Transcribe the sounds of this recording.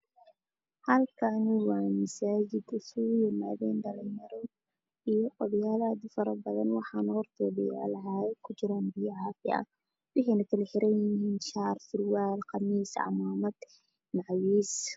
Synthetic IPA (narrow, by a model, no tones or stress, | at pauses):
hɐlkʰɐnɪwɑːmɐsaːd͡ʒɪd̪ʊsʊʊjɪma̰ːðɛːnɖɐlɛmɐɾɔ | ijɔɔðjaːlaːd̪fɐɾɐbɐðɐnwɑħɑːnɐhɔrt̪ʰɔːbɪ̰ja̰lɐɦakʰʊd͡ʒɪɾaːnbɪjaʕɑːfɪɐ̰ | wɪhɛːnɐkʰɐlɛħɪɾɐnjɪɦiːnʃɑːrfɪrwaːlqɑmiːsʕɑ̰maːmɐd̪̥ | maʕwiːs